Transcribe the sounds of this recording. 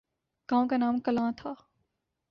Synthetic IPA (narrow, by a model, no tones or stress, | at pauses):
ɡ̥ãːõkanaːmkɐlãːt̪ʰaː